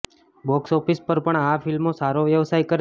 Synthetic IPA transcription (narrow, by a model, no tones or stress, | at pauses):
bɔksɔfispəɾpəɳafilmosaɾoʋjəʋsajkəɾ